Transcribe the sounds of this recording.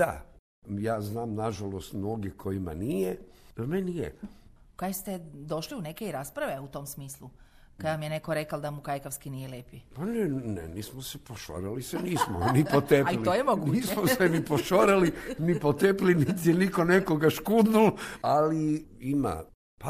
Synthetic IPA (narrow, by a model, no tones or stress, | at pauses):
a̰ | jaːznaːmnaʒalost̪mnoɡjekʰoima̰nijemenijḛ | kajest̪ed̪o̞ʃliunekeiɾaːspɾaʋe̞ut̪oːmsmiːslˠu | kad̪amijenekoɾekald̪amukajkaʋskinijeleːpipanenḛniːsmosepoʃo̰ɾaliseniːsmo̰nipot̪epailiojemoɡunːiːsmosenipoʃoɾalinipot̪eplinit̪jenikonekoɡaʃkud̪nulaliima̰ | pa